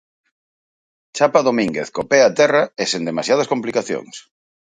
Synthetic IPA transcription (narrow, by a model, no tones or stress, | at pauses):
t͡ʃapaðomĩŋɡḛθkopeat̪ɛraesend̪emasjað̞askomplikaθjo̰ŋs